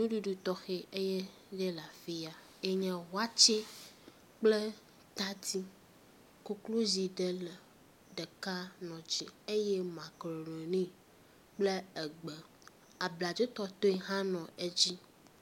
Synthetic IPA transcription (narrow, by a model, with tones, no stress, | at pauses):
nũ˦ɖu˦ɖu˦t̪ɔ˦xe˦e˦je˦ | ɖe˦la˨fi˦a˨ | e˦ɲɛ̃˨wa˦t͡ʃe˦ | k͡ple˦ | t̪a˦t̪i˦ | ko˦klo˦zi˨ɖe˦lə˨ | ɖɛ˨ka˦nɔ̃˨d͡ʒḭ˦e˦je˦mã˨kɾe˨ɾe˨nĩ˦ | k͡ple˦e˨ɡ͡bə˨ | a˨bla˨d͡ʒe˦t̪ɔ˦t̪o˦e˦˨ɦã˦nɔ̃˨e˦d͡ʑi˦